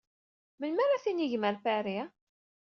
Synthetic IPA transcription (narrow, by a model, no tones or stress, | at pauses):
mənmaɾaθiniʝməɾfæɾi